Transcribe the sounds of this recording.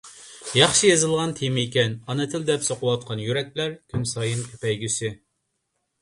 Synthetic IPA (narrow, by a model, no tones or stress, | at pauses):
jɑχʃɨjɑzɨlˠʁɑnt̪ʰemikʲɛnɑnɨt̪ʰɪld̪ɛpsoqəwɑt̪̚qʰɑnjyɾɛk̚ʲlæɾkʲʰymsɑjɨnkʲʰø̥pɛjɡʲysɪ